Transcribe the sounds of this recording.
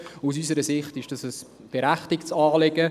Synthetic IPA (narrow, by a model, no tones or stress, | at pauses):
us̬ysəɾəsɪχtɪʃd̥ɑsəs | b̥eɾæχtɪkt͡sɑːleɡə